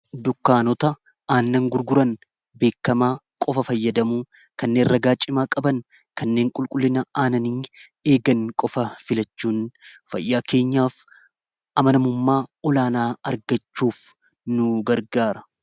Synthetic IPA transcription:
d̪ʊkːaːnɔt̪ɐ | aːnːɐŋɡʊɾɡʊɾɐn | be̞ːkːɐmaː | kʼɔfɐfɐjːɐd̪ɐmuː | kɐnːeːnrɐɡaːt͡ʃʼːɪmaːkʼɐbɐn | kɐnːe̞ːŋkʼʊlkʼʊlːɪnɐaːnɐniːeːɡɐnkʼɔfɐfɪlɐt͡ʃːuːnfɐ̰jːaːke̞ːɲːaːf | ʔɐmɐnɐmʊmːaːɔlaːnaːɐɾɡɐt͡ʃːuːf | nʊɡɐɾɡaːɾɐ

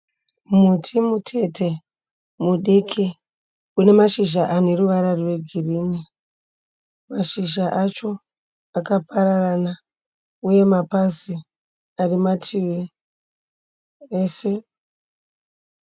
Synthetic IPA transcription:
mutʰimutʰe̞tʰe̞ | muɗikʰi | une̞maʃiʒaʔane̞ruʋaɾariwe̞ɡʱiriːni | maʃiʒaʔat͡ʃo̞ | akapaɾarana | uje̞mapasi | arimatʰiwe | ese̞

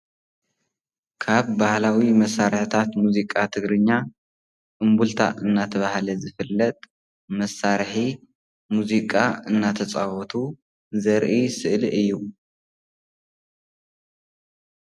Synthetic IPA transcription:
kʰaβːahlawimɐsːaɾħɨt̪ʰat̪muzikʼat̪ʰɨɡɾɨɲːa | ʔʼɨmbult̪ʰa̰ʔɨnːat̪ʰɐβahlɐzɨfɨlːɐt̪ʼ | mɐsːaɾħi | muzikʼaɨnːat̪ʰɐt͡sʼawɔt̪ʰu | zɐɾʔisɨʔliʔɨjːu

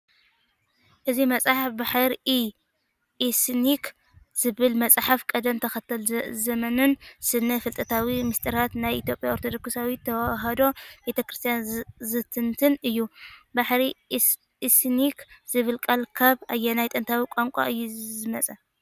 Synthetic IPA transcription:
ʔɨzimɐt͡sʼaħafbaħaɾi | isnik | z̥ɨβɨlmɐt͡sʼħafkʼɐd̪ɐmt̪ʰɐxɐt̪ʰːɐlzɐmɐnɨnsɨnːɐfɨlt̪ʼɐt̪ʰawimɨst̪ʼɨɾat̪najʔḭt̪ʰjo̞pʼjaoɾt̪ʰod̪o̞ksawit̪ʰːɐwaɦɐd̪o̞bet̪ʰɐkɾist̪ʰijanzɨt̪ʰɨnt̪ʰɨnɨjːubaħɾi | snikz̥ɨβɨlkʼɐlkʰaβajːenajt̪ʼɨnt̪ʰawikʷʼaŋkʷʼa̰ʔɨjːuzɨmɐt͡sʼɐ

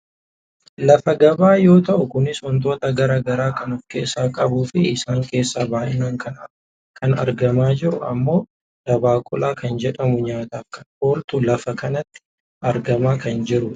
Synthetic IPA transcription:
lɐfɐɡɐbaːjo̞ːt̪ɐʔʊkʊnɪsɔnt̪o̞ːt̪ɐɡɐɾaːɡɐɾaːkɐnɔfke̞̰ːsːaːkʼɐbuːfɪɪsaːŋke̞ːsːaːbaːʔɪnaːŋkʰɐn | kʰɐnɐ̰ɾɡɐmaːd͡ʒɪɾʊɐ̰mːo̞ː | d̪̥ɐbaːkʼʊ̰lʔaːkɐnd͡ʒɛᶑɐmʊɲaːt̪aːfkɐnho̞ːlt̪ʊlɐfɐkɐnɐt̪ːɪ̥ | ɐɾɡɐmaːkɐnd͡ʒɪɾʊ

